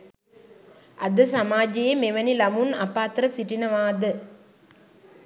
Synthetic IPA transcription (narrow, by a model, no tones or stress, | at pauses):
ɐd̪əsamaːd͡ʒejemeʋənilamunapaːt̪ɾəsiʈinəʋaːd̪ə